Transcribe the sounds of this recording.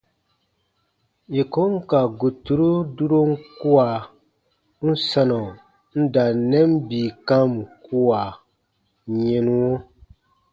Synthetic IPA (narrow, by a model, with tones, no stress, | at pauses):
je˨ko˦ŋ˦ka˨ɡu˨tu˨ɾu˦du˦ɾo˦ŋ̩˦ku˦a˨ | n̩˦sa˦nɔ˨ | n̩˦da˨nɛ˦m˦biː˨ka˦m˨ku˦wa˨ | ɲɛ˨nu˦o˦